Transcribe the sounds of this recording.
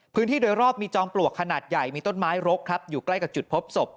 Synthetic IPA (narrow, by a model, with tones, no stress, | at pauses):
pʰɯː˦˥nʰiː˥˩doː˧jɾɔː˥˩p̚miː˧t͡ɕɔː˧ŋplu˨˩əkʰːa˧naː˨˩t̪̚ja˨˩jmiː˧t̪o˥˩nmaː˦˥jɾo˦˥kʰːɾa˦˥p̚juː˨˩kla˥˩jka˨˩p̚t͡ɕu˨˩pʰo˦˥p̚so˨˩p̚